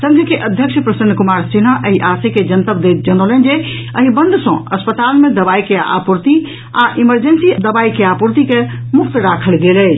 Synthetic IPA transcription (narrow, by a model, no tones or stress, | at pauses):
sə̃ŋɡʱkeʔəd̪ʱjəkʃʰpɾəsənːkumaɾsinaʔəɦiʔaseked͡ʒənt̪əbd̪et̪d͡ʒənolənd͡ʒe | əɦibə̃nd̪ʱsə̰̃əspət̪almed̪əbaikeʔa̰puɾt̪i | aʔiməɾd͡ʒensid̪əbajkeapuɾt̪ikemukt̪ɾakʰəlɡelɛ